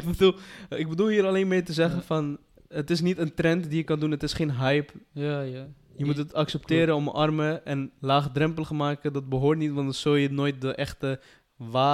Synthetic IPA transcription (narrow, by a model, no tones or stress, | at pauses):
kbəduɪɡ̚bədulˠɦiːɾalejnmɪːɹtəzɛχəfɑn | ətɪsnitəntrɛntdijəkɑndunətɪsχeːnɦɛjp | jəmutətɑksɛp̚tɪːɾəɔmə̰ʔɑrməʔɛnlaːχdrɛmpəlˠχəmaːkədɑt̚bəɦoːɹtnitʋɑntsojənoːjt̚dəʔɛχtə | ʋaː